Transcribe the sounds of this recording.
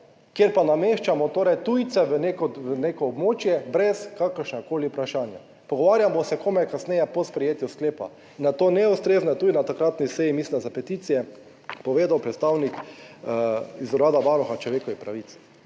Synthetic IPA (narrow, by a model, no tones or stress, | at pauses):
kjeɾpanameːʃt͡ʃamɔt̪oːɾɛjt̪ujt̪sɛʋənekɔʋəneːkɔːbmoːt͡ʃjɛbɾɛskakəɾʃnakoːliʊpɾaʃaːnja̰ | pɔɡɔʋaːɾjamɔsɛkomɛkasnɛjɛpɔspɾɛjeːt̪juskleːpa̰ | inːat̪oːnɛust̪ɾeːznɛt̪ud̪inat̪akɾat̪nisɛjimislind̪azapɛt̪it̪sijɛ | pɔʋeːd̪awpɾɛt̪st̪awnik | izɔɾaːd̪aʋaːɾɔxat͡ʃlɔʋeːkɔʋixpɾaʋit̪s